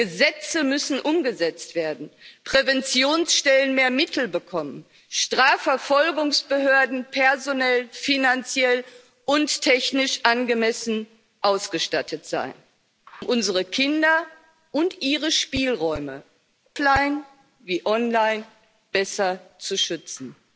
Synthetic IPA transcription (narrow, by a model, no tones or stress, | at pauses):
ɡ̥əzɛt͡səmʏsn̩ʔʊmɡəzɛt͡stv̥eːɐdn̩pʁ̥ɛvɛnt͡sjoːnsʃtɛlənmeːɐmɪtl̩bəkʰɔmən | ʃtʁ̥aːfɛɐfɔlɡʊŋsb̥əɦøːɐdn̩pʰɛɐzonɛlfinant͡sjɛl | ʔʊnttʰːɛçnɪʃʔanɡəmɛsn̩ | ʔaʊsɡ̥əʃtatʰətz̥a̰ɪn | ʊmʔʊnzəʁəkʰɪndɐ | ʔʊntʔiːʁəʃpiːlʁɔʏmə | laɪn | viːʔɔnlaɪn | b̥ɛsɐt͡suʃʏt͡sn̩